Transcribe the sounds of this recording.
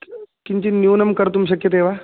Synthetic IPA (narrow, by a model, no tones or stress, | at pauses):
kiɲt͡ɕinjuːnɐmkɐɾt̪umɕɐkjət̪eʋa